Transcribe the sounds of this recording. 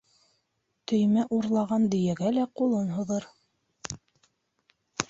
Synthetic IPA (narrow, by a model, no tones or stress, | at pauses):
t̪ɵ̆jmæʔuɾlˠɑʁɑnd̪ɵ̆jæɡælæqulˠɤnɦŏðɤɾ